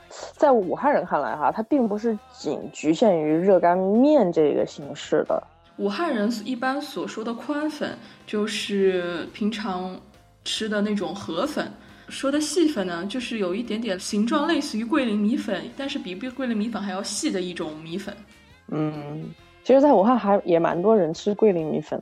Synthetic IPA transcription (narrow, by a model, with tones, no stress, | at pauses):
t͡sa˥˩ɪu˨˩xa˥˩nɻə˧˥nkʰa˥˩nla̰˧˥ɪxa̰˧˩t̪ʰa˥pi˥˩ŋpu˧˥ʂɻ̩˥˩t͡ɕḭ˨˩ŋt͡ɕy˧˥ɕjɛ˥˩ny˧˥ɻɤ˥˩ka˥nmjɛ˥˧nʈ͡ʂɤ˥˩ḭ˧˥ɡə̰˩ɕi˧˥ŋʂɻ̩˥˩d̪ə̰˩ | u˨˩xa˥˩nɻə˧˥ni˥˩pa˥nswɔ˨˩ʂwɔ˥d̪ə˨kʰwa˥nfə̰˨˩˦nt͡ɕjo˥˧ʊʂɻ̩˥˩pʰi˧˥ŋʈ͡ʂʰɑ˧˥ŋ | ʈ͡ʂʰɻ̩˥d̪ə˨na˥˩ʈ͡ʂʊ˨˩ŋxɤ˧˥fə̰˨˩˦n | ʂwɔ˥d̪ə˨ɕi˥˩fə˨˩nnə˩t͡ɕjo˥˧ʊʂɻ̩˥˩jo˨˩ʊi˥˩t̪̬jɛ˧˥nt̪jɛ˨˩nɕi˧˥ŋʈ͡ʂwɑ˥˧ŋle˥˧ɪsɹ̩˥˩y˧˥kwe˥˩ɪli˧˥ŋmi˧˥fə˨˩˦nt̪a˥˧nʂɻ̩˥˩pi˨˩˥kwe˥˩ɪli˧˥ŋmi˧˥fə˨˩nxa˧˥ɪjɑ˥˧ʊɕi˥˩d̪ə˩i˥˩ʈ͡ʂʊ˨˩ŋmi˧˥fə̰˨˩˦n | n̩˥˩ | t͡ɕʰi˧˥ʂɻ̩˧t͡sa˥˩ɪu˨˩xa˥˩nxa˧˥ɪjɛ˨˩ma̰˧˥nt̪wɔ˥ɻə˧˥nʈ͡ʂʰɻ̩˥kwe˥˩ɪli˧˥ŋmḭ˧˥fə̰˨˩˦n